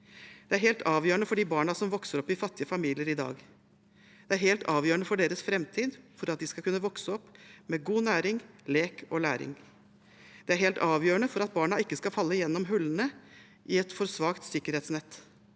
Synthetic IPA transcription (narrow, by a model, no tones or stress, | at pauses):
d̪̥ɛæɾɦeːlt̪ɑːʋjøːɾəɳəfɔɖiːbɑːɳɑsɔmʋɔksəɾɔpːɪfɑt̪ːɪəfɑmiːlɪəɾɪd̪ɑ̰ːɡ | d̪̥ɛæɾheːlt̪ɑːʋjøːɾəɳəfɔɖeːɾəsfɾɛmt̪ʰiːd̪fɔɾɑt̪̚d̪ɪskɑkʰʉnːəʋɔksəɔpːmeɡuːnæːɾɪŋleːkɔlæ̰ːɾɪ̰ŋ | d̪̥ɛæɾheːlt̪ɑːʋjøːɾəɳəfɔɾɑt̪̚bɑːɳɑɪkːəskɑfɑlːəjɛnːɔmɦʉlːənə | ʔɪɛt̪fɔɾsʋɑːkt̪sɪkːəɾheːt̪snɛt̪ː